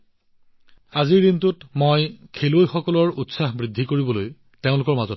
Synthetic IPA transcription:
aziɹintutmojkʰelojxɔkɔlɔɹutsaxbɹidʱːikoɹibɔloj | teʊ̃lʊkɔɹmazɔt

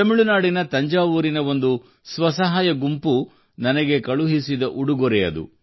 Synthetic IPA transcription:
ɐmiɭunaːɽinɐt̪ɐɲd͡ʒaːʋuːɾinɐʋo̞nd̪u | sʋɐsɐɦaːjɐɡumpu | nɐnɐɡe̞kɐɭuɦisid̪ɐʔuɽuɡɔɾɛjɐ̰d̪ṵ

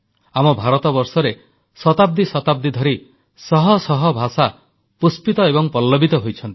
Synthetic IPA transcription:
amɔbʱaɾɔt̪ɔbɔɾsɔɾe | sɔt̪ab̚d̪isɔt̪ab̚d̪id̪ʱɔɾi | sɔɦɔsɔɦɔbʱasa | puspit̪ɔebɔŋpɔlːɔbʱit̪ɔɦojt͡ʃʰɔnt̪i̥

